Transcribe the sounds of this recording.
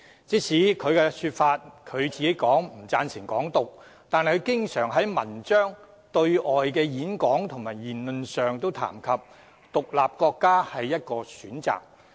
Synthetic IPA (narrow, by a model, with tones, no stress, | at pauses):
t͡siː˨˥sʰiː˨˥kʰɵ˨˧ɥkɛː˧syː˧t̚faː˧t̚kʰɵ˨˧ɥt͡siː˨ke˨˥kɔː˨˥ŋm̩˨˩t͡saː˧nsɪ˨˩ŋkɔ̰ː˨˥ŋt̪ʊ˨k̚ | t̪aː˨n˨kʰːkɪ˥ŋsœː˨˩ŋɦɐ˨˥jmɐ˨˩nt͡ʃœː˥ŋ | t̪ɵ˧ɥɔː˨jkɛː˧jiː˨˥nkɔː˨˥ŋt̪ʰʊ˨˩ŋmaː˨˩jjiː˨˩nlɵ˨nsœː˨ŋt̪o˥wt̪ʰa̰ː˨˩mkʰɐ˨p̚ | t̪ʊ˨k̚laː˨p̚kɔː˧kːaː˥hɐ˨jːɐ˥t̚kɔː˧syː˨˥nt͡sa̰ː˨k̚